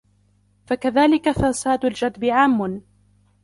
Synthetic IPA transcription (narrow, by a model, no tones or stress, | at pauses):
fakaðaːlɪkafasaːd̪ʊld͡ʒad̪bɪʕaːmːʊn